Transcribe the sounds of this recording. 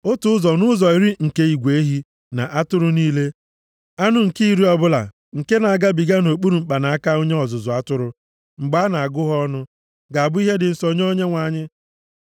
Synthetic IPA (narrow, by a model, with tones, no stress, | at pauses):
o˦tʊ˦ʊ˦zɔ˨nʊ˦zɔ˨i˨ɾi˦ŋ̩˨ke˦i˨ɡʷe˨e˦ɦi˦ | na̰˨ʔa˦tʊ˦ɾʊ˦niː˦le˦ | a˦nʊ˦ŋ̩˨ki˦i˦ɾi˦ɔ˨bʊ˦la̰˨ | ŋ̩˨ke˦na˨a˨ɡa˦bi˨ɡa˦no˨k͡pu˦ɾu˨ŋ͡m̩˨k͡pa˨na˨a˦ka˦o˦ɲe˦ɔ˨zʊ˨zʊ˨a˦tʊ˦ɾʊ˨ | ŋ͡m̩˨ɡ͡ba˦na˨a˨ɡʊ˦ɦɔ˦nʊ˦ | ɡa˨a˨bʊ˦i˦ɦe˦dɪ˨n̩˨so˨ɲ˦o˦ɲe˦ŋʷa˨ɲɪ˦